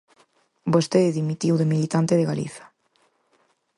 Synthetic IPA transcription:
bost̪eðeðimit̪iwðemilit̪ant̪eðeɣalḭθɐ̥

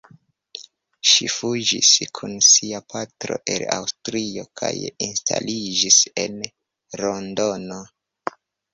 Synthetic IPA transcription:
ʃifud͡ʒiskʰunsiapʰatɾo̞̰ʔe̞la̰wstɾio̞kʰajinstʰalid͡ʒise̞n | ɾondo̞no̞

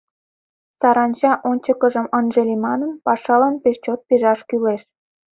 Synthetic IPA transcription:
sɑɾɑnt͡ɕɑʔonʲt͡ɕəkəʒə̆mənʒelʲimɑnənpɑʃɑlɑnpeʃt͡ɕot̪̚piʒɑʃkyleʃ

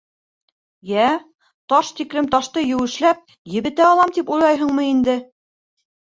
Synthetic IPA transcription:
jæ | t̪ɑʃt̪ikɾɘmt̪ɑʃt̪ɤjɘ̆wɘ̆ʃlæp̚ | jɘ̆βɘ̆t̪æːlˠɑmt̪ipujlˠɑjɦɤ̆ɴmɤind̪ɘ

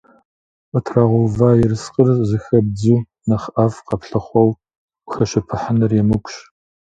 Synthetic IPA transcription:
ʔətʰraʁʷowvaːjɛrɨsqʼərzɨxɐb̚d͡zuː | nɐχʔafqɐpɬɨχʷɔw | xɐʃɐpʰɨħənɨrjɛmɨkʷɕ

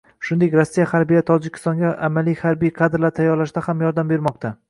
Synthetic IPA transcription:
ʃʊnd̪e̞kʲɾɒsːijahaɾbijat̪ʰɒd͡ʒɪkʲʰɪ̥st̪ɒŋɡʲaʔamalijhaɾbijqʰɑd̪ɪɾlaɾt̪ʰajːɒɾlaʃd̪ahamjɒɾd̪ambe̞ɾmɒqt̪ʰa

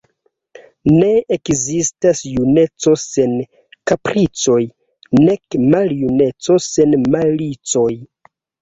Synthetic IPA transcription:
ne̞ekzistasjune̞t͡so̞se̞n | kapɾit͡so̞j | ne̞kmaljune̞t͡so̞se̞nmalit͡so̞j

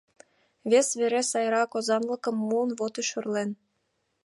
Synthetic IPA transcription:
βʲesβeɾesɑjɾɑkozɑnlə̆kə̆mːuənβot̪iʃyrlen

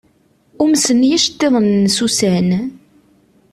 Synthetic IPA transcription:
ʊmsənjæʃət̪ːeðˤənːsusæn

